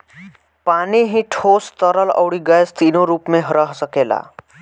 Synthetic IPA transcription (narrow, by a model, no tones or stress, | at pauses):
paniɦĩʈʰost̪əɾəlʌ̰wɽiɡʌjst̪inoɾupmeɦɾʌɦsəkela̰